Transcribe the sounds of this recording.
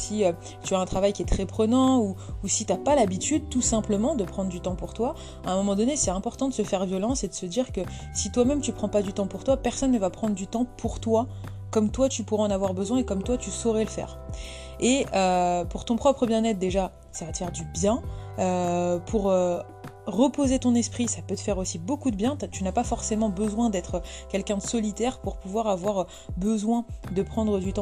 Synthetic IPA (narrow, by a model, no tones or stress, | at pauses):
siø | t̪yaɛ̃t̪χavajkʲiɛt̪χɛpχənɑ̃uːsit̪yapalabit̪yd̪̚t̪usɛ̃pləmɑ̃d̪əpχɑ̃d̪ʁd̪yt̪ɑ̃puʁt̪wa | aɛ̃mɔmɑ̃d̪ɔnesɛt̪ɛ̃pɔʁt̪ɑ̃d̪əsəfɛʁvjɔlɑ̃sɛd̪əsəd̪iʁkə | sit̪wamɛmt̪ypχɑ̃pad̪yt̪ɑ̃puʁt̪wapɛʁsɔnːəvapχɑ̃d̪ʁd̪yt̪ɑ̃pʰuʁt̪wa | kɔmt̪wat̪ypuʁɛɑ̃navwaʁbəzwɛ̃ekɔmt̪wat̪ysɔʁɛləfɛ̰ːʁ | eøpuʁt̪ɔ̃pχɔpχəbjɛ̃nɛt̪̚d̪eʒa | savat̪ə̥fɛʁd̪ybjɛ̃øpʰuʁø | ʁəpozet̪ɔ̃nɛspχisapøt̪ə̥fɛʁosibokud̪əbjɛ̃t̪ynapafɔʁsemɑ̃bəzwɛ̃d̪ɛt̪χəkʲɛlkʲɛ̃d̪əsɔlit̪ɛʁpuʁpuvwaʁavwaʁ | bəzwɛ̃d̪əpχɑ̃d̪ʁəd̪yt̪ɑ̃